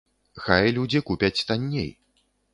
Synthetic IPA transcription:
xajlʲud͡zʲikupʲɐt͡sʲst̪anʲːḛj

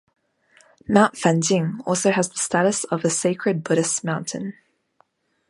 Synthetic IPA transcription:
mãʊ̃ntfæ̃ndɪ̃ŋɔlˠsoʊəzðəstæɾɨsʌvəseɪkʰɹɨd̚bʊɾɨsmãʊ̃ntʰɨ̰̃n

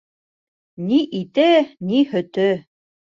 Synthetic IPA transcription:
niʔit̪ɘnihɵ̆t̪ɘ

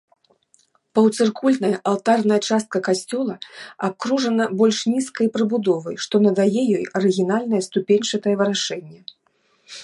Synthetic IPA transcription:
pɐwt̪sɨrkulʲt̪nɐjɐʔalˠt̪arnɐjɐt͡ʂast̪̚kɐkasʲt͡sʲɔlˠɐap̚kɾuʐɐnɐbɔlʲʂnʲiskɐjpɾɨbud̪ɔvɐjʂt̪ɔnɐd̪ajɛjɔjɐɾɨɣʲinalʲnɐjɛst̪upʲenʲʂɐt̪ɐjɛvɨɾaʂɛnʲːɛ

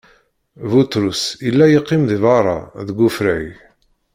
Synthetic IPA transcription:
vut̪ɾusilːæjiqːɪmðivɑɾˤɑ̰ðəɡʷːufɾæj

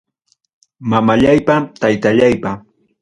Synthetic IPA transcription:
mamaʎajpat̪ajt̪aʎajpa

